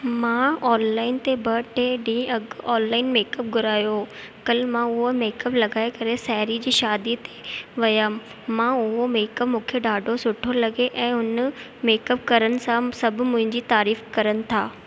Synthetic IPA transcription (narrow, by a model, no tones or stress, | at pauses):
mãːɔːnlaːɪnt̪ebɐʈeɖĩɐɡɔːnlaːɪnmeːkəp̚ɡʱʊɾaːjo | kɐlmãʊɦomeːkəplɐɡaːekɐɾesɛɦɾid͡ʑiːʃaːd̪it̪eʋɐjam | mãːʊɦomeːkəpmũːkʰeɖaːɖʱosʊʈʰolɐɡeʔɛ̃ːʊn | meːkəpkɐɾənɪ̆sãsɐbʱʊmʊ̃ɦɪ̃ɲd͡ʑiːt̪aːɾiːfkɐɾənɪ̆t̪ʰaː